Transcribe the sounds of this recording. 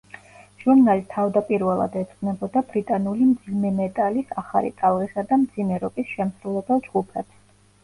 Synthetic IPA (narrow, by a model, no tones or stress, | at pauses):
ʒ̥uɾnalit̪ʰavd̪apʼiɾvɛlˠa̰d̪ɛt̪sʼqʼnɛbɔd̪abɾit̪ʼanulimd̪zimɛmɛt̪ʼalisaχa̰lḭt̪ʼalˠʁisad̪amd̪zimɛɾɔpʼisʃɛmsɾulɛbɛlˠd͡ʒɡupʰɛts